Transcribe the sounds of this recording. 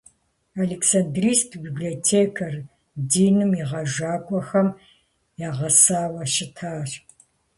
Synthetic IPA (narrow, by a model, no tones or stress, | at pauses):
aleksɐndriːstʰbibliɔtʰeːkʰɐr | diːnɨmiʁɐʒaːkʷʼɔxɐm | jaːʁɐsaːwɐʃɪtʰaːr